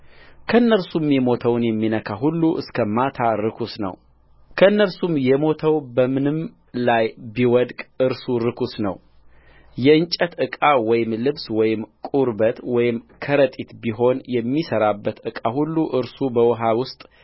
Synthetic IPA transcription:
kʰəɨnːəɾsumjɛmo̞t̪ʰəwnjɛmːinəkʰaɦulːuʔɨskʰəmat̪ʰaɾɨkʰusnə̰w | kʰəɨnːəɾsumjɛmo̞t̪ʰəwbəmɨnɨm | lajbiwɔd̪kʼɨɾsuɾɨkʰusnə̰w | jɛɨnt͡ʃʼət̪ɨkʼawɔjɪmlɨβswɔjɪmkʼuɾbət̪wɔjɪmkʰəɾət̪ʼit̪biɦo̞njɛmːisəɾabːət̪ʔɨkʼahulːuʔɨɾsubəwɔɦawʊst̪ʼ

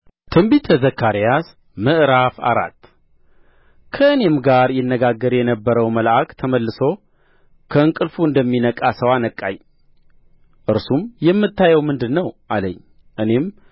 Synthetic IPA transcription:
t̪ʰɨmbit̪ʰːəzəkʰːaɾijas | mɨʔɾafa̰ɾa̰t̪ː | kʰəɨne̞mɡaɾjɪnːəɡaɡːəɾjɛnəbːəɾəwməlʔakt̪ʰəməlːɨso̞ | kʰəɨŋkʼɨlfuɨnd̪əmːinəkʼasəwanəkʼːa̰ɲ | ʔɨɾsumjɛmːɨt̪ʰːajɛwmɨnd̪ɨnːəwʔaləɲː | ʔɨne̞m

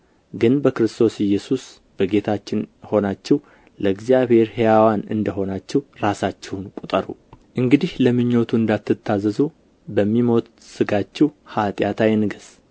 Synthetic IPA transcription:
ɡɨnbəkɾɨst̪ʰo̞sɪjːɛsus | b̥əɡe̞t̪ʰat͡ʃːɪnho̞nat͡ʃːɛw | ləɨɡzijaβhe̞ɾhejawanɨ̰nd̪əɦo̞nat͡ʃːɛwɾasat͡ʃːɛhwunkʼut̪ʼəɾṵʔɨŋɡɨd̪ihləmɨɲːot̪ʰuɨnd̪at̪ːɨt̪ʰːazəzu | bəmːimo̞t̪ | sɨɡat͡ʃːɛwhat̪ʼjat̪ʰajɛnɨɡɨs

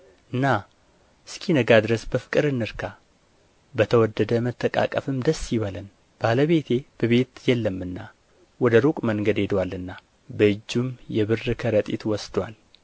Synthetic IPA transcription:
ʔɨnːa | ɨskʰinəɡad̪ɨɾəsbəfɨ̥kʼɨɾɨnːɨɾkʰa | bət̪ʰəwɔd̪ːəd̪əmət̪ʰːəkʼa̰kʼəfɨmd̪əsːjiβələn | b̥aləβe̞t̪ʰe̞b̥əβe̞t̪jɛlːəmːɨnːa | wɔd̪əɾukʼməŋɡəd̪e̞d̪walːɨnːa | bəɨd͡ʒːumjɛβɨrɨkʰəɾət̪ʼḭt̪wɔsd̪wal

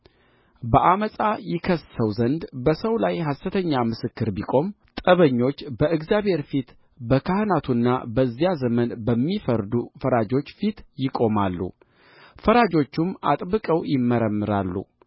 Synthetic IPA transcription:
bəʔaməsʼajɪkʰəsəwzənd̪bəsəwlajɦast̪ɨt̪ʰəɲːamɨsɨkːɨɾbikʼo̞m | t̪ʼəβəɲːo̞t͡ʃːbəɨɡzjaβhe̞ɾfit̪ | bəkʰahnat̪ʰunːa̰bəzjazəmənbəmːifəɾd̪ufəɾad͡ʒo̞t͡ʃːfit̪jɪkʼo̞malːṵ | fəɾad͡ʒo̞t͡ʃːuma̰t̪ʼbɨkʼəwjɪmːəɾəmːɨɾa̰lːṵ

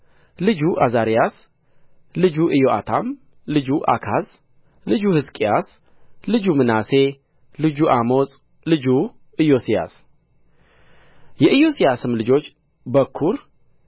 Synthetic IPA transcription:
lɨd͡ʒuʔazaɾijas | lɨd͡ʒuʔɨjoʔa̰t̪ʰam | lɨd͡ʒuʔa̰kʰaz | lɨd͡ʒuhɨskʼijas | lɨd͡ʒumɨnase̞ | lɨd͡ʒuʔamo̞sʼ | lɨd͡ʒu | ɨjosija̰s | jɛʔɨjo̞sijasɨmlɨd͡ʒo̞t͡ʃː | bəkʰːuɾ

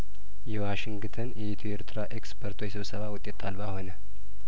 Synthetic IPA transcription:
jɛwaʃɪŋɡt̪ʰənjɛit̪ʰueɾt̪ʰɨɾaʔekspʰəɾt̪ʰwjsɨβsəβawʊt̪ʼːe̞t̪ʰːalbaho̞nə

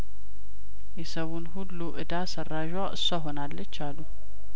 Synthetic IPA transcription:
jɛsəwunhulːuʔɨd̪asərːaʒwaʔɨ̰soɦo̞nalːət͡ʃːalːu

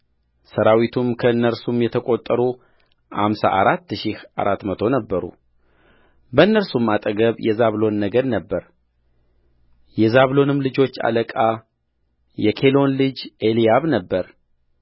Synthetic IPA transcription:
səɾawit̪ʰumkʰəɨnːəɾsumjɛt̪ʰəkʼo̞t̪ʼːəɾu | ha̰msa̰ʔaɾat̪ːʃihʔa̰ɾat̪mət̪ʰo̞nəbːəɾṵ | bəɨnːəɾsumːat̪ʼəɡəβjɛzaβlo̞nːəɡəɾnəbːəɾ | jɛzaβlo̞nɨmlɨd͡ʒo̞t͡ʃːa̰ləkʼa | jɛkʰe̞lo̞nlɨd͡ʒʔelijaβnəbːəɾ

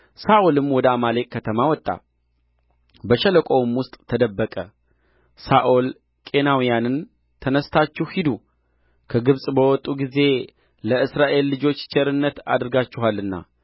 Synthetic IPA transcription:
saʔolɨmwɔd̪əamale̞kʼkʰːət̪ʰəmawɔt̪ʼːa̰ | bəʃɛləkʼo̞wɨmwʊst̪ʼt̪ʰəd̪əbːəkʼə | saʔol | kʼe̞nawijanɨn | t̪ʰənəst̪ʰat͡ʃːɪhhid̪u | kʰəɡɨβsʼbəwɔt̪ʼːuɡize̞ | ləɨsɾaʔe̞lːɨd͡ʒo̞t͡ʃːt͡ʃʰeɾɨnːət̪a̰d̪ɨɾɡat͡ʃːɪɦalːɨnːa̰

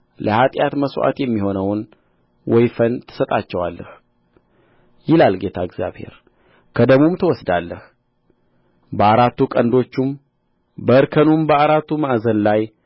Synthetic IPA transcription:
ləhat̪ʼjat̪məswʔa̰t̪jɛmːiho̞nəwn | wɔjfənt̪ʰɨ̥sət̪ʼat͡ʃːɛwalːə̰h | jɪlalɡe̞t̪ʰaɪɡzja̰βhe̞̰ɾ | kʰəd̪əmomt̪ʰəwɔsd̪alːəh | bəaɾat̪ːukʼənd̪o̞t͡ʃːum | bəɨɾkʰənumbəaɾat̪ːumaʔzənlaj

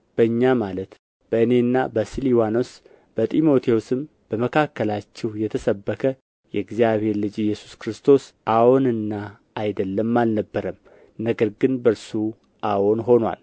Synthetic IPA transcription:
b̥əɨɲːamalət̪ | b̥əɨne̞ɨnːa̰bəsiliwano̞s | b̥ət̪ʼimo̞t̪ʰewosɨm | b̥əməkʰakːəlat͡ʃːɛhjɛt̪ʰəsəbːəkʰə | jɛɡzijaβhe̞ɾlɨd͡ʒijːɛsu̥skɾɨst̪ʰo̞sʔawonɨnːaː | jd̪əlːəmːalnəbːəɾəm | nəɡəɾɡɨnbəɾsu | ʔawonɦo̞nwa̰l

